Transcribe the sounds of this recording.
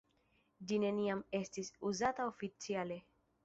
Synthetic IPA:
d͡ʒine̞niame̞stisuzataofit͡siale̞

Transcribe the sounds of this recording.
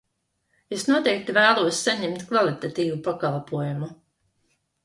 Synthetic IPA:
esnuɔt̪ɛjk̚t̪ivæːlˠuɔsːaɲɛmt̪kvalˠit̪at̪iːvupakalˠpuɔjumu

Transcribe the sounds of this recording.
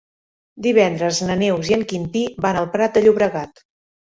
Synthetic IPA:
d̪iβ̞ɛnd̪ɾəznənewziəŋkint̪iβanəlˠpɾat̪̚d̪əʎuβɾəɣat̪

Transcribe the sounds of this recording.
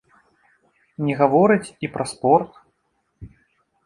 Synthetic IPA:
nʲɛɣavɔɾɨt͡sʲipɾʔɐspɔrt̪

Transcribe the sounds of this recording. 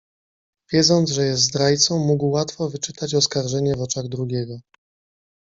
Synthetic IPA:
vʲjɛd̪zɔnd̪zʐɛjɛst̪d̪ɾajt̪sɔ̃w̃muɡwːat̪fɔvɘt͡ʂɘt̪at͡ɕɔskaɾʐɛɲɛvɔt͡ʂaɣd̪ɾuɡʲɛɡɔ

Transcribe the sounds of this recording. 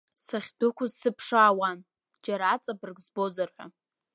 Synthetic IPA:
saχʲdʊkʷʰʊzsɨpʰʂaːwan | d͡ʒaɾaːt͡sʼabɨrɡzbo̞zarħʷᶣa̰

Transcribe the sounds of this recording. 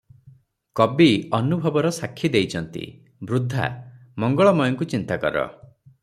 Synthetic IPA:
kɔbiɔnubʱɔbɔɾɔsakʰːid̪ejt͡ʃʰɔnt̪ḭ | bɾud̪ʱːa̰mɔŋɡɔɭɔmɔjɔŋkut͡ʃint̪akɔ̰ɾɔ̰

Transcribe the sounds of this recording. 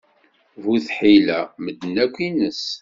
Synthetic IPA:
vuθħilæməd̪nækʷːinəs

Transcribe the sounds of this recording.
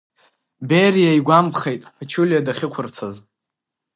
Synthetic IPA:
berijaiɡʷamχe̞jtʼħat͡ʃʰulʲjadaχʲɪkʷʰʊrt͡sʰaz

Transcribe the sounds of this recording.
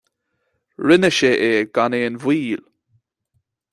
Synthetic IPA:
ɹɪnəʃeʔeɡ̥aneənvwiːl

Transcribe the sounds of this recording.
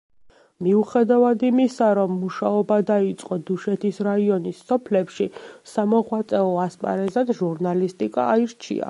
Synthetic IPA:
miuχɛd̪avad̪imisaɾɔmːuʃaɔbad̪ait̪sʼqʼɔd̪uʃɛt̪ʰisɾaiɔnisːɔpʰlɛpʃisamɔʁwat̪sʼɛɔaspʼa̰ɾɛzad̪ʒuɾnalist̪ʼikʼa̰ːiɾt͡ʃʰḭa̰

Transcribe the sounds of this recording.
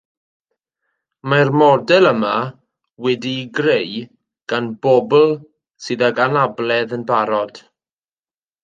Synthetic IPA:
marmɔdɛlˠəma | wɛdiɡrej | ɡ̥anbɔbl̩ˠ | sɨðaɡanablɛðənbaɾɔd̥

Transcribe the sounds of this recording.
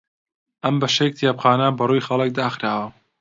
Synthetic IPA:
ʔɐmbɐʃek̚t̪ʰijapxaːnɐbɐrujxɐlˠek̚d̪aːxɾaːwɐ

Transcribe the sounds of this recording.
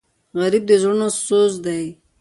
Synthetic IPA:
ɣaɾib̚d̪ezonosozd̪aj

